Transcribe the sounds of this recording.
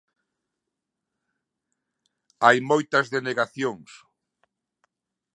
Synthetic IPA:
ajmojt̪ɐzðeneɣaθjoŋs

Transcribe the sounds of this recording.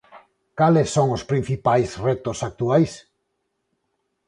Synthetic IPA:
kalɪsːoŋʊspɾin̟θipajzret̪ʊsak̚t̪uajs

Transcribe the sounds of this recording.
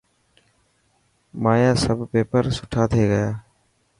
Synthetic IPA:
maːjaːsəbʱpeːpəɾsʊʈʰaːt̪ʰeːɡəjaː

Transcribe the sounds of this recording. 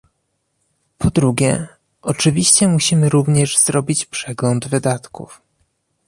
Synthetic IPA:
pʰɔd̪ɾuɡʲjɛ̰ | ʔɔt͡ʂɘvʲiɕt͡ɕɛmuɕimɘɾuvɲɛʐzɾɔbʲit͡ɕpʂɛɡlɔnd̪vɘd̪at̪kṵf

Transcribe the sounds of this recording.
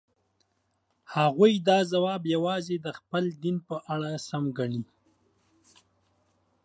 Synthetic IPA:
haɣujd̪ɑzawɑbjawɑzed̪əxpəld̪inpəʔaɽasamɡaɳi

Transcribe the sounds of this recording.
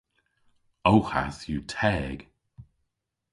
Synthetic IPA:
owha̰sjutʰɛːɡ̥

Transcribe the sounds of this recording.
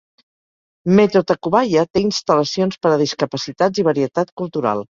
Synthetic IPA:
met̪ɾot̪əkuβajət̪einst̪ələsionspəɾəð̞iskəpəsit̪ad͡ziβ̞əɾiət̪at̪kulˠt̪uɾa̰lˠ

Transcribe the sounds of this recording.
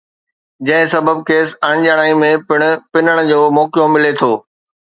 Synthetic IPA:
d͡ʑɐ̃ɦɪ̃sɐbəb̚keːsɐɽ̃d͡ʑaɽ̃aːimẽpɪɽ̃ʊ̆pɪnəɽ̃ʊ̆d͡ʑoːmɔːkijomɪlet̪ʰoː

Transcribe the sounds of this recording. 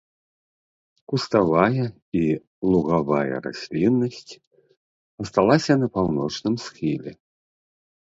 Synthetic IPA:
kust̪avajɐ | i | lˠuɣavajɐ̰ɾa̰sʲlʲinːɐsʲt͡sʲ | ɐst̪alˠasʲɐnɐpawnɔt͡ʂnɨmsxʲilʲɛ̰

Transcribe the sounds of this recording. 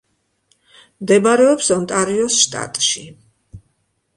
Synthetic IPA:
md̪ɛbaɾɛɔpsɔnt̪ʼaɾiɔsʃt̪ʼa̰t̪ʼʃi

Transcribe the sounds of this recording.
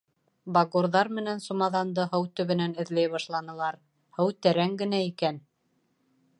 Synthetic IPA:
bɑɡuɾðɑɾmɘ̆nænsumɑðɑnd̪ɤɦɤwt̪ɵ̆βɘ̆nænɘ̆ðlæjβɑʃlˠɑnɤ̆lˠɑɾ | hɤwt̪æɾæŋɡɘ̆næikæn

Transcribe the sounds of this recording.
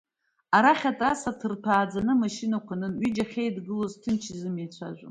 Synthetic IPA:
aɾaχʲatʼrasatʰɨrpʰaːd͡zanɨmaʃinakʷʰanɨnɥid͡ʒaχʲejdɡɨlo̞ztʰɨnt͡ʃʰɪzɨmejt͡sʷʰa̰ʒʷa

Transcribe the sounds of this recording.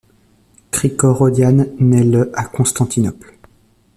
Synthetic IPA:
kχikɔʁɔd̪janːɛləʔakɔ̃st̪ɑ̃t̪ʰinɔpl

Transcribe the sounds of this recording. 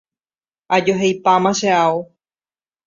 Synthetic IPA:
ad͡ʒoɦejpamãʃeao

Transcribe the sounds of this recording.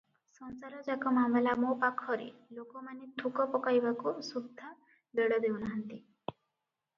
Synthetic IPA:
sɔnsaɾɔd͡ʒakɔmambalamɔpakʰɔɔɾḭlokɔmanet̪ʰukɔpɔkajbakusud̪ʱːa | b̪eɽɔd̪ewnaɦant̪i

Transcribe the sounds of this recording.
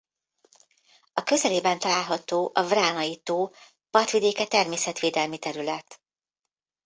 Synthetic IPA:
ɒkø̞zɛleːbɛnt̪ɒlaːlɦɒt̪oːʔɒvraːnɒjit̪oː | pɒrt̪ʋid̪eːkɛt̪ɛrmeːsɛt̪ʋeːd̪ɛlmit̪ɛɾylɛt̪

